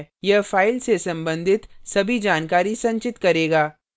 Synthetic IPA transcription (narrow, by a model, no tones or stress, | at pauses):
jɐɦfaːɪlsesɐ̃mbə̃nd̪ʱɪt̪sɐbʱid͡ʒaːnkaːɾisɐ̃ɲt͡ʃɪt̪kɐɾeːɡaː